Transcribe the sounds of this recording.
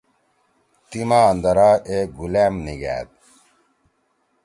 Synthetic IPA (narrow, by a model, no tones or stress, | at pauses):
t̪imaːnd̪ɐɾaːeɡulæːmniɡæ̰ːd̪̚